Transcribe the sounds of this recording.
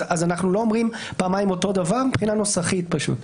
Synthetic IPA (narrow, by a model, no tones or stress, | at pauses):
azanaχnulo̞omʁim | paːmajmo̞to̞d̪avaʁmipχinano̞saχitpaʃṵt